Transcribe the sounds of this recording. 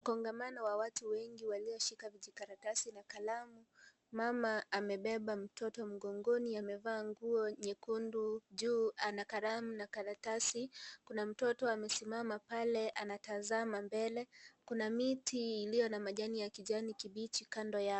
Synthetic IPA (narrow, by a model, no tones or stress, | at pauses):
kɔŋɡamanɔwawatuwɛŋɡiwaliɔʃikaviʄikaɾatasinakalamu | mamaːmɛɓɛɓam̩tʰɔtɔm̩ɡɔŋɡɔniamɛvaːŋɡuɔɲɛkunduʄuːanakaɾamunakaɾatasikunam̩tɔtɔamɛsimamapalɛʔanatazamambɛlɛkunamitʰiːlijɔnamaʄanijakiʄanikiɓit͡ʃikandɔja